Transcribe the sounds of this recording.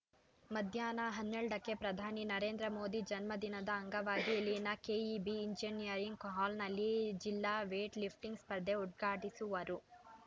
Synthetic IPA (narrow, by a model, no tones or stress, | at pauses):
mɐd̪ʱjaːnɐɦɐnːɛɭɖɐkːe̞pɾɐd̪ʱaːninɐɾe̞ːnd̪ɾɐmo̞ːd̪id͡ʒɐnmɐd̪inɐd̪ɐːŋɡɐʋaːɡilːinɐkeːibiːɲd͡ʒinijɐɾiŋɡkɦaːlnɐlːid͡ʒilːaːʋeːʈlipʰʈiŋɡspɐɾd̪euʈ̚ɡʱaːʈisuʋɐɾu